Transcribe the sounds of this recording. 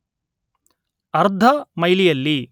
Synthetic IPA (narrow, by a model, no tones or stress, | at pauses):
ɐɾd̪ʱɐmɐjlijɐlːi